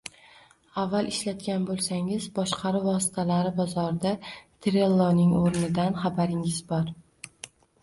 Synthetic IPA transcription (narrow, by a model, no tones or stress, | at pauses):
avːalˠʔɪʃlat̪kʲanbolˠsaŋɪzbɒʃqʰɑɾɪvɒsɪ̥t̪ʰalaɾɪbɒzɒɾɪd̪at̪ʰɾelˠːɒnɪŋoɾnɪd̪anχabaɾɪŋɪzbɒɾ